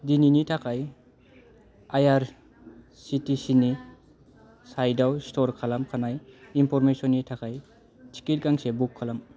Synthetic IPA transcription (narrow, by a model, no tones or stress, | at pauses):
dininitʰakʰaj | ajaɾ | sitisini | sajdawstɔɾkʰalamkʰanajimpʰɔɾmesɔnːitʰakʰaj | tʰi̥kit̚kaŋsebukʰːalam